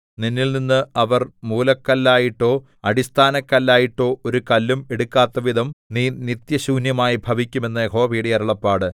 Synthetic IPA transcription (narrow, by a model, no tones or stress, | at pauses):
ninːilninːɨɐʋɐrmuːlɐkːɐlːaːjiʈːo̞ː | ɐɽist̪ʰaːnɐkːɐlːaːjiʈːo̞ːʔoɾukɐlːume̞ɽukːaːt̪ːɐʋid̪ʱɐmniːnit̪jɐɕuːnjɐmaːjibʱɐʋikʲːume̞nːɐeɦoːɐbʱiːɽijɐɾɐɭɐpːaːɽɨ